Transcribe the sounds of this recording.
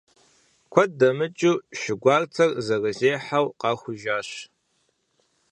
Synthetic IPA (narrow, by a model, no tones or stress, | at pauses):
kʷʰɐdɐmɨt͡ʃʼuːʃɪɡʷɑːrt͡sʰɐrzɐrɨzeːħawqɑːxʷʊʒaːɕ